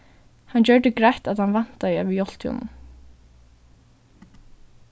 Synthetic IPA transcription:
hand͡ʑœɹd̪ɪɡɾajt̪aðhanvan̥t̪aɪœːʋɪjɔl̥t̪ʰjɔ̰nʊ̰n

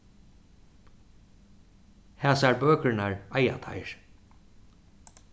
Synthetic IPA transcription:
hæːsaɹbøːkɾɪnaɹaja̰t̪ʰa̰ɪɹ

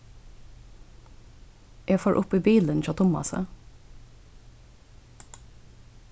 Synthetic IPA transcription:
ʔeːfoːɹʔʊpiːbiːlənoːt̪ʰʊmɑ̰sə̰

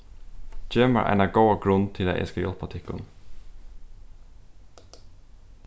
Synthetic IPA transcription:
t͡ʃeːmə̰ɹʔæ̰ɪnɑɡoʊɑɡɾʊnt̪ʰɪlæ̰ʔɛ̰skɑjɔ̰lpɑt̪ʰɪkʊ̰n

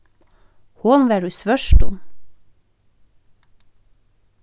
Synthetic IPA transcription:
hʊnʋæːɖʉːsʋœʃʈɔm

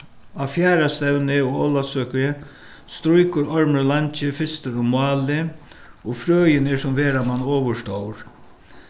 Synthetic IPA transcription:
afjaːɾast̪ɛwnɪɔɣɔwlasøːkɪ | st̪ɾujkʊɾɔɹməɾlaɲt͡ʃɪfɪst̪ɪɾʊmʊɑːlɪ | ɔɣfɾøːjɪnɛsʊmʋeːɾamanːɔːʋəʂt̪oːwɾ

